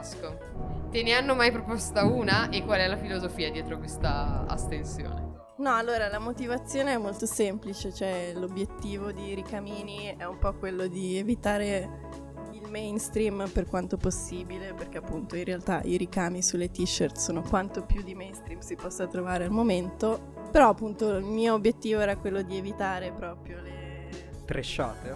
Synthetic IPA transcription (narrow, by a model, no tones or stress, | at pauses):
sko | t̪eneanːomajpɾopost̪auːnaʔekːwalɛlafilozofiːad̪jɛːt̪ɾokwest̪a̰a̰st̪ensjo̰ːnḛ | nɔalːoːɾalamot̪ivat̪sːjoːneɛmːolt̪osemplit͡ʃet͡ʃoɛlobjet̪ːiːvod̪iɾikamiːniɛumpɔkwelːod̪ievit̪aːɾe | ilmejnst̪ɾimperkwant̪oposːiːbileperk̟eapːunt̪oinrealt̪aʔiɾikaːmisulːet̪iʃːərt̪soːnokwant̪opjud̪imɛjnst̪ɾimsipɔsːat̪ɾovaːɾealmoment̪o | peɾɔapːunt̪oilmiːoːbjet̪ːiːvoɛːɾakwelːod̪ievit̪aːɾepɾɔːpɾjole | t̪ɾʔeʃːa̰ːt̪e